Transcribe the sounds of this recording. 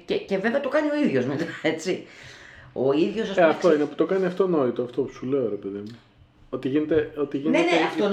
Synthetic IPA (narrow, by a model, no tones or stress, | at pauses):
cece̞ve̞veɐt̪o̞kɐnio̞iðʝo̞zmet̪ɐe̞t͡si | o̞iðʝo̞sɐseɐft̪oinepu̥t̪o̞kɐniɐft̪o̞no̞it̪oɐft̪opu̥sule̞oɾe̞pe̞ðimu | o̞t̪iʝinet̪eot̪iʝineneneɐft̪o